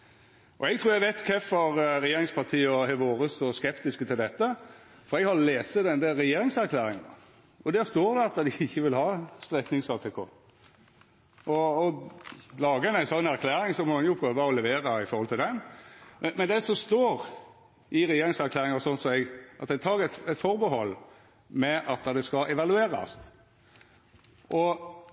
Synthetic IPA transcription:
ʔɔ̰ɛɡ̚t̪ʰɾuːɛɡʋɛt̪kʰɛfɔɾɾɛjeːɾɪŋspʰɑʁt̪ʰiːəɔhɛʋoːɾəsoskɛpt̪ɪskət̪ʰɪld̪ɛt̪ːə | fɔɾɛɡhɑɾɔleːsəd̪ɛnd̪ɛɾɛjeːɾɪŋsæɾkʰlæːɾɪŋɑ̰ | ɔd̪æst̪oːɾd̪ɛɑt̪ːəd̪ɪɪçːəʋɪlhɑːst̪ɾɛknɪŋsɑt̪ʰɛkʰo̰ː | ʔɔɔlɑːɡəɛnæɪsɔnːæɾkʰlæːɾɪŋsɔmɔɛnjʊpʰʁøːʋɑɔlɛʋeːɾɑɪfɔɾʁɔlt̪ʰɪld̪ɛnmmɛnd̪ɛsɔst̪oːɾ | ʔɪɾɛjeːɾɪŋsæɾkʰlæːɾɪŋɑsɔnsɔmɛɡʔɑ̰t̪̚d̪ɛt̪ʰɑːɾʁɛt̪ɛt̪fɔɾbəɦɔlː | mɛʔɑt̪̚d̪ɑd̪ɛskɑʔɛʋɑlʉeːɾɑ̰st̪ | ʔɔ

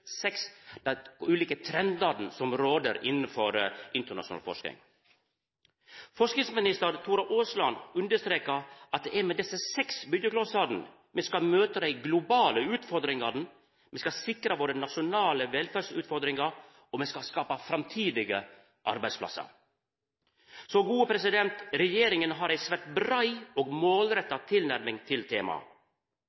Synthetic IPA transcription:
sɛksd̪̥ɛʉːliːkət̪ʰɾɛnd̪ɑd̪n̩sɔmɾoːd̪əɾɪnn̩fɔɾʔɪnt̪əɳɑ̰ʃʂʊnɑ̰lfɔ̰ʂknɪ̰ŋ | fɔʂknɪŋsmɪnɪst̪əɾt̪ʰuːɾɑʔoːslɑnʉnd̪əʂt̪ɾeːkɑɑt̪̚d̪ɛɛɾmɛd̪ɛsːəsɛksbʏd̪jəkloːsɑd̪n̩ | mɛskɑmøːt̪əd̪æɪɡlʊbɑːləʉːt̪fɔɾd̪ɾɪŋɑd̪n̩ | mɛskɑsɪkɾəʋoːɾənɑʂʊnɑːləʋɛlfæsʉ̰ːt̪fɔɾd̪ɾɪŋɑɾ | ɔmɛskɑskɑːpɑfɾɑmt̪ʰiːd̪ɪɡə̰ | ʔɑ̰ɾbæɪdspʰlɑ̰sɑ̰ɾ | sɔɡuːəpʰɾɛsɪd̪ɛnt̪ɾɛjeːɾɪŋənɦɑɾæɪsʋæʈbɾɑɪoːɡmoːlɾɛt̪ːɑt̪ʰɪlnæɾmɪŋt̪ʰɪlt̪ʰeːmɑ̰

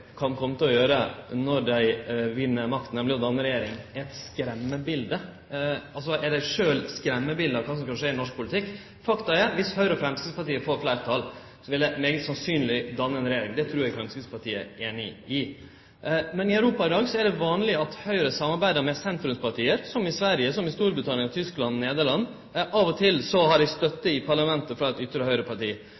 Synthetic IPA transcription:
kʰɑnkʰɔmːət̪ɪlɔjøːɾənɔɾd̪æɪʋɪnːəmɑk̚t̪nɛmlɪɔd̪ɑnːəɾɛjeːɾɪŋɛt̪skɾɛmːəbɪld̪ə | ɑls̬ɔʔɛɖæɪʂøːlskɾɛmːəbɪld̪əɑkʰɑːsɔmkɑnʂeːɾɪnɔʂk̚pʰʊlɪt̪ʰɪkː | fɑkt̪ɑɛɾʋɪshœʏɾəɔfɾɛmskɪspɑɾʈiːəfoːɾflæɪɾt̪ʰɑl | sɔʋɪld̪æɪmeːɡət̪sɑnsyːnlɪd̪ɑnːəɛnɾɛjeːɾɪŋd̪ɛt̪ʰɾuːɾjækʰɾɛmskɪp̪spʰɑʈiːə̰eːnɪɪ | mɛnɪœʉɾuːpɑɪd̪ɑːɡsɔæɖɛʋɑːnlɪɑt̪hœʏɾəsɑmːɑɾbæɪd̪əɾmɛsɛnt̪ɾʉmspɑʈʰiːəɾsɔmɪsʋæɾjəsɔmɪst̪uːɾbɾət̪ʰɑnɪəŋɑt̪ʰʏsklɑnneːd̪əɭɑnː | ʔɑʋɔt̪ʰɪlsɔɦɑɖæst̪œt̪ːəɪpʰɑɭɑmɛnt̪əfɾɑɛt̪ʏt̪ːɾəhœʏɾəpʰɑʈiː

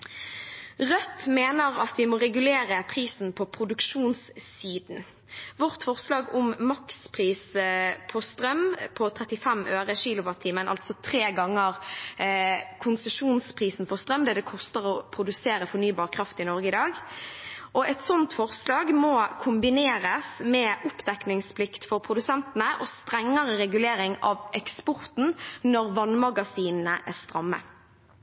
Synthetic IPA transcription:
ʁœt̪ːmeːnəʁɑt̪ʋɪmɔʁɛɡʉleːʁəpʰʁiːsn̩pʰɔpʰʁʊd̪ʉkʂuːnssiːd̪n̩ | ʋɔʁt̪fɔʁslɑːɡʊmmɑkspʰʁiːspʰɔst̪ɾœmpʰɔt̪ʰʁɛt̪ɪfɛmʔøːʁəʃiːlʊʋɑt̪ʰːiːmənʔɑ̰lt̪sɔt̪ʰʁeːɡɑŋːəʁ | kʰʊnsəʂuːnspʰʁiːsn̩fɔst̪ʁœmd̪ɛd̪ɛkʰɔst̪əʁɔpʰɾʊd̪ʉseːɾəfɔnyːbɑːʁkʰɾɑft̪ɪnɔɾɡəɪd̪ɑːɡ | ʔɔɛt̪sɔnt̪fɔʁslɑːɡmɔkʰʊmbɪneːɾəsmɛʔʊpd̪ɛknɪŋspʰlɪkt̪fɔɾpʰʁʊd̪ʉsɛnt̪ənəʔɔst̪ɾɛŋːəʁəɾɛɡʉleːɾɪŋɑ̰ʋʔɛkspɔʁt̪n̩nɔʁʋɑnmɑɡɑsiːnn̩əʔæʁst̪ɾɑmːə̰

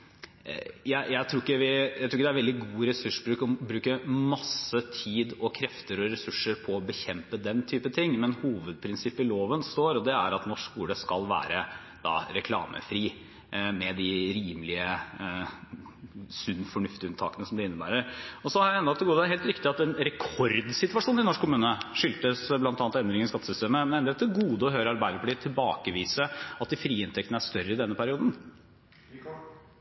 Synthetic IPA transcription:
jæɪjæɪt̪ʰɾuːɪkːəʋɪjæɪt̪ʰɾuːkːəd̪æɾʋɛld̪ɪɡuːɾɛsʉʂbɾʉːkɔbɾʉːkəmɑsət̪ʰiːd̪ɔkʰɾɛft̪əɾɔɾɛsʉʂːəɾpʰɔːbəçɛmpəd̪ɛnt̪ʰyːpət̪ʰɪŋːmɛnhuːʋəd̪̚pʰɾɪnsɪpːɪloːʋənst̪oːɾɔd̪ɛæ̰ɾɑt̪nɔʂkuːləskɑlʋæ̰ːɾə | d̪̥ɑ̰ːɾɛkʰlɑ̰ːmʔə̰fɾiː | mɛd̪ɪɾiːməlɪə | sʉnːfɔɳʉft̪ɪʉnt̪ʰɑ̰ːkənəsɔmd̪ɪɪnːəbæ̰ːɾəɾɔsɔhɑɾæɛnd̪ɑt̪ʰːɪlɡuːd̪æɦeːlt̪ɾɪkt̪ɪɑt̪ɛnɾɛkʰɔɾd̪sɪt̪ʋɑʂuːnɪnɔʂkʰːʊmʉːnəʂʏlt̪əsblɑnɑnt̪ɛnd̪ɾɪŋənɪskɑt̪ːə̥sʏst̪eːməmɛnɛnd̪ɾɛt̪ʰːəɡuːd̪əɔhœʏɾəɑɾbæɪd̪əɾəpɔliːt̪ʰɪlbɑːkəʋiːsəɑt̪̚d̪ɪfɾiːɪnt̪ʰɛkt̪ənæʂt̪œɾːəɪd̪ɛnːəpʰæɾɪuːd̪n̩

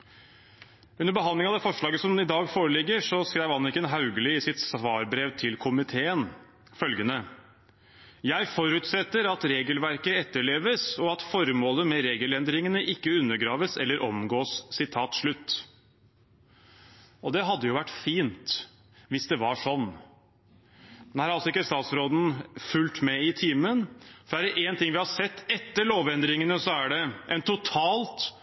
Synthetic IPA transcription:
ʉnəɾbəɦɑnlɪŋɑʋd̪ɛfɔʂɭɑːɡəsɔmɪd̪ɑːɡfoːɾəlɪɡːəʂɔskɾæɪʋɑnːɪkənɦɑʉɡəlɪɪsɪt̪sʋɑːɾbɾeːʋt̪ʰɪlkʰʊmɪt̪ʰeːən | fœlɡənə | jæɪfɔɾʉːt̪sɛt̪ːəɾɑt̪ɾeːɡəlʋæɾkəɛt̪ːəɭeːʋəsɔɑt̪fɔɾmoːləmɛɾeːɡəlɛnd̪ɾɪŋənəʔɪkːəʉnːəɾɡɾɑːʋəsɛlːəɾʔɔmɡoːssɪt̪ʰɑːt̪ʂɭʉt̪ː | ɔd̪ɛɦɑd̪ːəjʊʋæʈːfiːnt̪ | ʋɪsd̪ɛʋɑʂɔnː | mnhæɾɑlsɔɪkːəst̪ɑːt̪sɾoːd̪n̩fʉlt̪mɛɪt̪ʰiːmənfɔɖæɖɛʔeːnt̪ɪŋʋɪhɑsɛt̪ːɛt̪ːəɭoːʋɛnd̪ɾɪŋənəsɔæɖɛʔɛnt̪ʊt̪ʰɑːlt̪

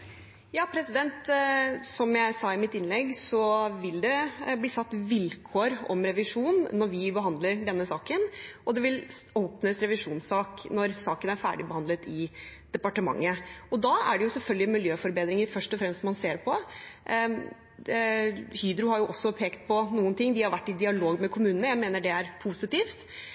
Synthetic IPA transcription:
jɑːpʰɾɛsɪd̪ɛnt̪sɔmjæɪsɑːɪmɪt̪ːɪnlɛɡːsɔʋɪld̪ɛbliːsɑt̪ːʋɪlkʰoːɾɔ̰mɾɛʋɪʂuːnːɔɾʋɪbəɦɑnd̪ləɾɖɛnːəsɑːkənʔɔd̪ɛʋɪloːpnəsɾɛʋɪʂuːnsɑːknɔɾsɑːkənæɾfæ̰ːɖɪbəhɑnd̪ət̪ʰɪd̪̥ɛpɑʈəmɑ̰ŋːəɔd̪ɑæ̰ɖɛjʊsɛlfœlɡlɪmɪljøːfɔɾbeːd̪ɾɪŋəɾfœʂʈɔfɾɛmst̪sɔmɑnseːɾpʰɔ | hyːd̪ɾʊhɑɾjʊʔɔsːɔpʰeːkt̪̚pʰɔnuːənt̪ʰɪŋːd̪ɪhɑɾʋæʈːɪd̪ɪɑloːɡmɛkʰʊmʉːnnəjæɪmeːnəɖɛæɾpʰusɪt̪iːft̪

